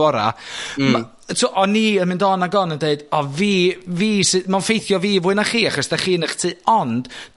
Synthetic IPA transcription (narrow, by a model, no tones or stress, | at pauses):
ɔɾa̰ma | tʰuːʔɔniːənmɨndɔnaɡɔnəndeɨdɔviːviːsɨmanfejθjɔviːvʊːɨnaχiːaχɔsð̥aχiːnəχtʰɨːɔnd̥